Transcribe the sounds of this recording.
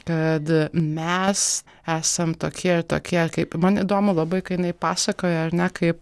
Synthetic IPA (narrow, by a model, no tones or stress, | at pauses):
kɐt̪mʲɛs | æːsɐmt̪oːkʲiɛɪɾt̪o̰ːkʲiɛɪɾkɐɪpmɐnid̪oːmʊlˠɑbɐɪkɐtjɪnɐɪpɑːsɐkoːjɛɐɾnʲɛkɐɪp